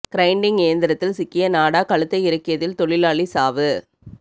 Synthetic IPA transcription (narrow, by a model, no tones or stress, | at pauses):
kɪɾɐɪɳɖɪŋejɐnd̪ɪɾɐt̪ːɪlsɪkːɪjɐnaːɽaːkɐɭɯt̪ːɐɪɪɾɐkːɪjɐðɪlt̪ɔɭɪlaːɭisaːʋɯ